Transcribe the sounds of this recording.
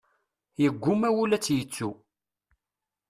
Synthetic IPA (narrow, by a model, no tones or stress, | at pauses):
jəɡʷːʊmæwulæt͡sːjət͡sːu